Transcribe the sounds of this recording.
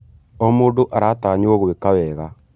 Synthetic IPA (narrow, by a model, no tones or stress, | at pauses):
ɔmoːdoʔaɾaːtaːɲooɣowekawɛːɣa